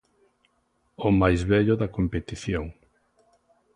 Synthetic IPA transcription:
ʊmajzβɛʎʊðɐkompet̪iθjoŋ

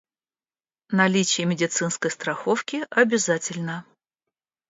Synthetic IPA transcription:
nɐlʲit͡ɕɪjəmʲɪdʲɪt̪sɨnskəjst̪ɾɐxofkʲɪʔɐbʲɪzatʲɪlʲnə

